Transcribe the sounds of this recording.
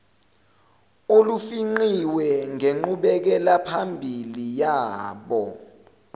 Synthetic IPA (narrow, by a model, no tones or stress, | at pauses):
olufiŋ͡ǃiwɛŋeŋ͡ǃuɓɛk̬ɛlapʰambʱilijaːɓɔ